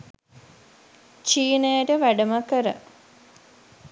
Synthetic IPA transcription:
t͡ʃiːnəjəʈəʋæɖəməkəɾə̰

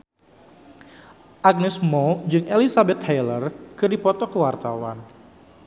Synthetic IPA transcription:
ʔaɡ̚nɛsmɔd͡ʒɨŋʔelisabɛt̪hejlərkɨdipɔt̪ɔkəwart̪awan

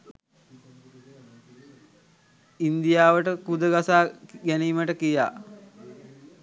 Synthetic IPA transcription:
ind̪ijaːʋəʈəkud̪əɡasaːɡæniːməʈəkija̰ː

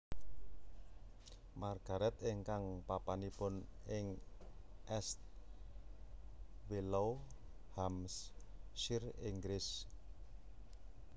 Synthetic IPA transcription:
marɡ̥a̤ɾɛt̪ɪŋkaŋpapanipʊnɪŋ | ʔɛst̪̚ | wilow | hamsʃiriŋɡɾɪs

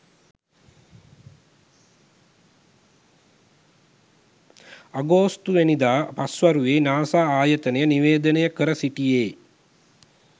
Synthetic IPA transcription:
aɡoːst̪uʋenid̪aːpasʋaɾuʋeːnaːsaːaːjət̪ənejəniʋeːd̪ənejəkəɾəsiʈijeː

